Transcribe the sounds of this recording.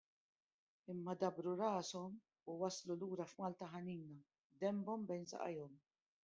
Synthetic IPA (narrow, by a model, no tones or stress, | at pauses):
ɪmːɐd̪ɐbɾuɾɐːsɔm | uwɐsluluːɾɐfmɐːlt̪ɐħɐniːnɐ | d̪ɛmbɔmbɛjnsɐ̰ʔɐ̰jɔm